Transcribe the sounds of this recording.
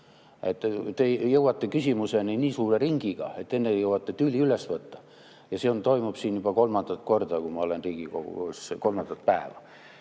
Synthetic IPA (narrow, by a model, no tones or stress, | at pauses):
et̪ːt̪ejeuwɑt̪ːekysimuseninʲiːsuːreriŋɡ̥iɡ̥ɑ̰et̪ːenːejewɑt̪ːet̪yːliylesʋɤt̪ːɑ̥ | jɑseont̪oimupsiːnjub̥ɑkolmɑnd̪ɑt̪kort̪ɑkumɑolenriːɡ̥iko̰uskolmɑnt̪ːɑt̪̚pæːʋæ̰